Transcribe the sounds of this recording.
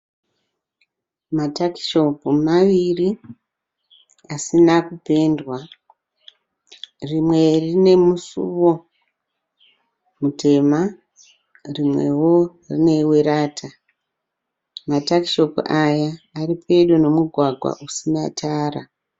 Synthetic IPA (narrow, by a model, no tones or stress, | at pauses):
mataki̥ʃo̞pumaʋiri | asinakupe̞ndwa | rimwe̞rine̞musṵʋo̞ | mutʰe̞ma | rimwe̞̰wo̞ | rḭne̞weɾaːtʰa | mataki̥ʃo̞puʔajaːripʰe̞ɗono̞muɡʱwaɡʱwa̰ʔusinatʰaːra